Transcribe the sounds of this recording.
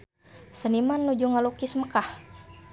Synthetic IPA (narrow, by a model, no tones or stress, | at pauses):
sənimanːud͡ʒuŋalukisməkah